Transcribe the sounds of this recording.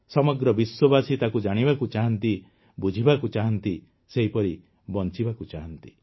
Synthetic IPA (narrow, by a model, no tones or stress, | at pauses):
sɔmɔɡɾɔbiswɔbasit̪akud͡ʒaɽ̃ibakut͡ʃaɦɔnt̪i | bud͡ʒʱibakut͡ʃaɦɔnt̪i | seɦipɔɾi | bɔnt͡ʃibakut͡ʃaɦɔnt̪i̥